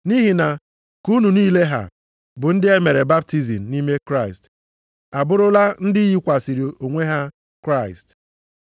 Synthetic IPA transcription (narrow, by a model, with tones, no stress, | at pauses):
ni˦ɦi˨na˨ | ku˦nu˨niː˦le˦ɦa̰˨ | bʊ˨n̩˦dɪ˦e˦me˨ɾe˨ba˦p̚ti˦zi˨m̩˨˦ni˦me˦kɾa˦ɪ˨st | a˨bʊ˦ɾʊ˦la˦n̩˦dɪ˦ji˦kʷa˨si˨ɾi˨ʔo˨ŋʷe˦ɦa˦ | kɾa˦˨ɪ˨st